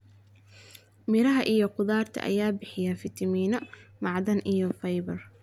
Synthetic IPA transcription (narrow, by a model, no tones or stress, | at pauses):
mɪɾɐɦɐʔijɔqʊðaːrt̪ʰɐ̰ʔɐ̰jaːbɪħɪjɐfɪt̪ʰɐmiːnɔmɑʕd̪ɐnʔijɔfɐjbɐr